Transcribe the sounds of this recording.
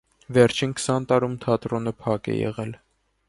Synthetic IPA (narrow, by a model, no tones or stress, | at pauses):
vɛɾt͡ʃʰinkʰə̥sɑnt̪ɑɾumt̪ʰɑt̪ɾɔnəpʰɑkɛ̰jɛ̰ʁɛl